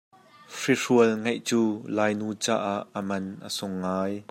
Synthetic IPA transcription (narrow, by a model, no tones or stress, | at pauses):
fiʂuəlŋejʔt͡suːlaːjnuːt͡sa̰ːʔaʔːəmɐnʔə̰sʊŋːaːj